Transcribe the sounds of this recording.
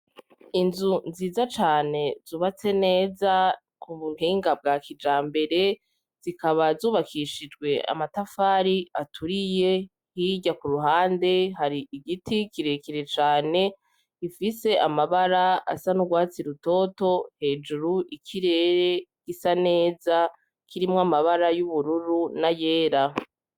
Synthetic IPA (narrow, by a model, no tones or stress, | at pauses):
inzunziːzat͡ʃaːne̞z̥uːβat͡se̞ne̞ːza | kʰuβun̥iːŋɡab̚ɡakid͡ʒaːmbe̞ɾe̞ | z̥ikaβazuːβakʰiʃid͡ʒɡwe̞a̰matafaːɾiatʰuɾije | hiɟakuɾuɦaːnde̞ɦaɾiiɡitikiɾe̞kiɾe̞t͡ʃaːne̞ | ifise̞ʔamaβaɾaa̰sanuɡwaːt͡siɾuto̞ːto̞he̞ːd͡ʒuɾuʔikʰiɾe̞ːɾe̞ɡ̥isane̞ːza | kʰiɾimŋamaβaɾajuβuɾuɾunaje̞ːɾa